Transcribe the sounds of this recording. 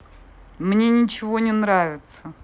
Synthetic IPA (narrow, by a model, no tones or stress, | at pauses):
mnʲenʲɪt͡ɕɪvonʲɪnɾavʲɪt̪sə